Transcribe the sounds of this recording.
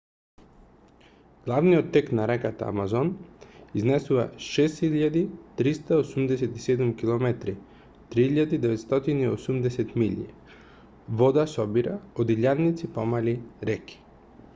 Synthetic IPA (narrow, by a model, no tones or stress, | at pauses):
ɡ̥lˠavnijot̪ːɛknaɾɛkat̪a̰a̰mazoniznɛsuva̰ʃest̪xiʎad̪it̪ɾist̪aosumd̪ɛsɛt̪isɛd̪umkilˠomɛt̪ɾi | t̪ɾihiʎad̪id̪ɛʋɛt̪st̪ot̪iniosumd̪ɛsɛt̪miʎiɛ | vod̪asɔbiɾaod̪iʎannːit̪sipomaliɾɛki̥